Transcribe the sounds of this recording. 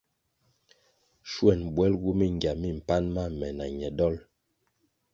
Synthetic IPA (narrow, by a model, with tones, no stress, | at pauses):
ʃwɛ˦˨nbwɛ˦lɡu˦mi˦ŋ˨ɡja˨mi˦˨m̩˨pa˦nma˦˨mɛ˨na˨ɲɛ˨dɔ˦l